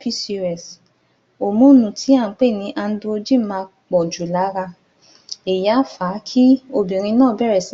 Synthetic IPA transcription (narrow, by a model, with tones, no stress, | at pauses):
pi˦si˧ɾɛ˨s | o˨mũ˦nũ˨tʰi˨˦a˦˨˦k͡pe˦˨nĩ˨˧˦ʔa˧n̩˦du˧o˧d͡ʒi˦mã˧ | k͡pɔ˨d͡ʒu˨la˨˦ɾa˧ | e˨ja˨˦fa˨˦kʰi˦o˧bĩ˨ɾ̃ĩ˧nãː˦˨bɛ˦˨ɾɛ˨s